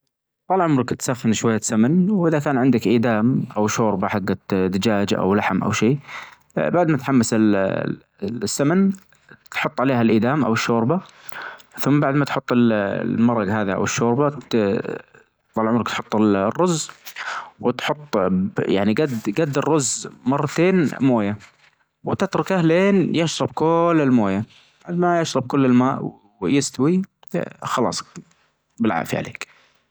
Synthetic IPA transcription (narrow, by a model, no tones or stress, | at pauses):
t̪ˤɑlʕʊmɾˤɪkt̪saxːɪnʃwajːasamɪnwʔɪðakaːnʕɪnd̪akʔiːd̪aːmʔawʃoːɾbaħaɡːad̪ɪd͡ʒaːd͡ʒʔa̰wlaħmʔa̰wʃiː | baʕd̪mat̪ħamːasɪl | sːaman | t̪ħʊt̪ˤːʕaleːhalʔiːd̪aːmʔa̰wɪʃːoːɾba | θʊmːbaʕd̪mat̪ħʊt̪ˤːɪlmɑɾˤːɑɡhaːðiʔa̰wɪʃːoːɾba | ðˤɑlʕʊmɾɪkt̪ħʊt̪ˤːɪlrːʊzː | wɪt̪ħʊt̪ˤːja̰ʕniɡad̪ɡad̪ːɪrːʊzːmɑrˤːɑt̪eːnmoːja | wɪt̪ɪt̪ɾˤʊkahleːnjɪʃɾˤɑbkʊlːɪlmoːja | baʕd̪majaʃɾˤɑb̚kʊlːɪlmaːʔw | jɪst̪awḭ | xɑlɑ̰ːsˤ | bɪlʕa̰ːʔfḭʕa̰lḛːk